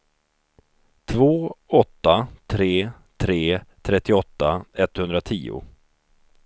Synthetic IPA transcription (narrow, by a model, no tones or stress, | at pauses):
t̪ʰvoːɔt̪ːat̪ʰɾeː | t̪ʰɾeːt̪ʰɾɛt̪ːɪɔt̪ːaɛt̪ːhɵnd̪ɾat̪ʰiːʊ̰